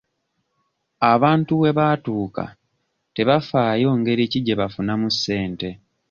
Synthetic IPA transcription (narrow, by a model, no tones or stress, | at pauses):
aβaːntuwe̞βaːtuːka̰ | te̞βafaːjo̞ːŋɡe̞ɾiciɟe̞βafunamusːe̞ːnte̞